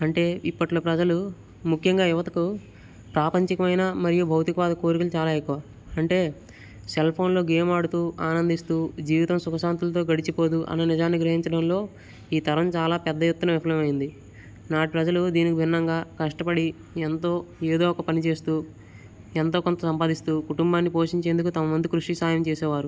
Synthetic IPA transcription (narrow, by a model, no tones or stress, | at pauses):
ɐɳʈe̞ːipːɐʈloːpɾɐd͡ʒɐlu | mukʰjɐŋɡaːjuʋɐt̪ɐku | pɾaːpɐɲt͡ʃikɐmɐjnɐmɐɾijubʱɐwt̪ikɐʋaːd̪ɐko̞ːɾikult͡ʃaːlaːekːuʋaː | ɐɳʈe̞ː | selpʰo̞ːnlo̞ːɡeːmaːɽut̪uːʔaːnɐnd̪ist̪uːd͡ʒiːʋit̪ɐmsukɐʃaːnt̪ulɐt̪o̞ːɡɐɽit͡ʃipo̞ːd̪uʔɐ̰nːɐnid͡ʒaːnːiɡɾɐɦiɲt͡ʃɐɽɐmlo̞ː | iːt̪ɐɾɐmt͡ʃaːlaːpɛd̪ːɐjet̪ːunɐʋipʰlɐmɐjind̪i | naːʈipɾɐd͡ʒɐlud̪iːnikibʱinːɐŋɡaːkɐʂʈɐpɐɽi | ɛnt̪o̞ːe̞ːd̪o̞ːɔkɐpɐnit͡ʃe̞ːst̪uː | ent̪o̞ːkont̪ɐsɐmpaːd̪ist̪uːkuʈumbaːnːipo̞ːʂiɲt͡ʃe̞ːnd̪ukut̪ɐmɐʋɐnd̪ukɾuʂʈisaːjɐmt͡ʃeːsɛːʋaːɾu